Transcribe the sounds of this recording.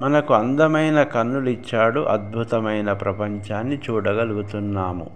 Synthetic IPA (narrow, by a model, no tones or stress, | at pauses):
mɐnɐkuɐnd̪ɐmɐjnɐkɐnːulit͡ʃːaːɽuʔɐd̪̚bʱut̪ɐmɐjnɐpɾɐpɐɲt͡ʃaːnːit͡ʃuːɽɐɡɐluɡut̪unːaːmṵ